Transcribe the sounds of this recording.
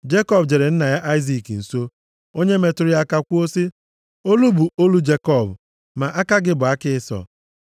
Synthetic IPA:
d͡ʒe˦kɔ˦bd͡ʒe˨ɾe˨n̩˦na˨ja˦ʔa˦ɪ˦zi˨kn̩˨so˦ | o˦ɲe˦me˨tʊ˦ɾʊ˦a˦ka˦kʷu˦o˦si˦ | o˦lu˦bu˨o˦lu˦d͡ʒe˦kɔ˦˨b | ma˨ʔa˦ka˦ɡɪ˦bʊ˨a˦kɪ˦ɪ˦sɔ̰˨

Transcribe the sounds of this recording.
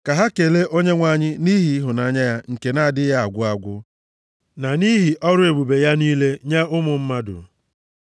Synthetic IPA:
ka˨ɦa˦ke˨le˦ʔo˦ɲe˦ŋʷa˨ɲɪ˦ni˦ɦi˨˦ɦʊ˨na˨˦ɲa˦ja˦ŋ̩˨ke˨na˦a˨dɪ˦ja˦a˨ɡʷʊ˦a˨ɡʷʊ˦ | na˨ni˦ɦi˨ʔɔ˦ɾʊ˦e˨bu˨be˨ja˦niː˦le˦ɲa˦ʊ˦mʊ˨m̩˦ma˦dʊ̰˨

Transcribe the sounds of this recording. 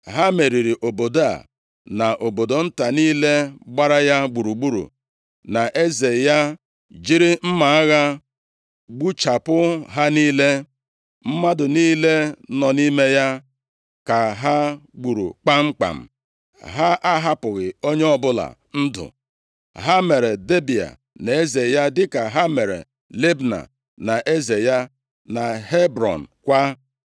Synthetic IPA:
ɦa˦me˨ɾi˨ɾi˨ʔo˨bo˨da̰˦˨ | na˨ʔo˨bo˨do˨n̩˦ta˨niː˦le˦ɡ͡ba˦ɾa˦ja˦ɡ͡bu˨ɾu˨ɡ͡bu˦ɾṵ˨ | na˨ʔe˦ze˨ja˦ | d͡ʒi˦ɾi˦m̩˦ma˨˦ɣa˦ | ɡ͡bu˦t͡ʃa˨pʊ˦ɦa˦niː˦le˦ | m̩˦ma˦dʊ˨niː˦le˦nɔ˨ni˦me˦ja˦ | ka˨ɦa˦ɡ͡bu˨ɾṵ˨k͡pa˦ŋ͡m̩˦k͡pa̰˨m̩˨ | ɦa˦ʔa˦ɦa˦pʊ˨ɣɪ˨o˦ɲe˦ɔ˦bʊ˦la̰˨ | n̩˦dʊ̰˨ | ɦa˦me˨ɾe˨de˦bi˨a̰˨ | ne˨e˦ze˨ja˦dɪ˦ka˨ɦa˦me˨ɾḛ˨ | le˦bna̰˨ | na˨ʔe˦ze˨ja˦ | na˨ɦe˦bɾɔ̰˨n̩˨kʷa˦

